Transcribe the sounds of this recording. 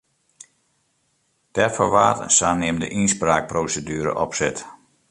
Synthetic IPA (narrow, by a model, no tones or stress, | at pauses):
d̥ɛfoʋaːtəsaːnɪmdəʔinspraːk̚prowsədyːɾə̰ʔɔpsɪt